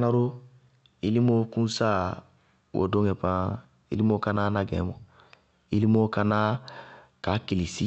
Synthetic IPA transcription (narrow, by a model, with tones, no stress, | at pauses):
na˦ɾo˦ | i˦li˦mo˦kũ˦sa˦ | wo̰˨dõ˦kɛ˨pã˦ | ḭ˦li˦mo˦ka˦na˦na˦ɡɛ̰̃˨mɔ̃˨ | i˦li˦mo˦ka˦na˦ | ka˨ki˨li˨si˦